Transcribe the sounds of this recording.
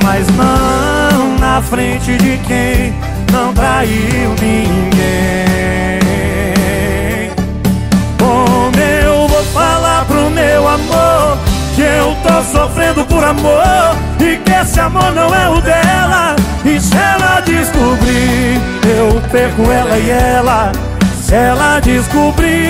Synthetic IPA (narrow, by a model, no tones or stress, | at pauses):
maznɐ̃ | w̃nɐfɾẽt͡ʃɪd͡ʒɪkẽj̃ | nɐ̃w̃t̪ɾainĩĩɡẽ | omewvowfalaɾpɾʊmewamoɾkɪewt̪osofɾẽnd̪ʊpoɾamoɾ | ɪkesɪamoɾnɐ̃w̃ɛʊd̪ɛlɐ | ɪsɛlad͡ʒiskubɾi | ewpɛkʊɛlɐɪɛlɐ | sɛlɐd͡ʒɪskubɾi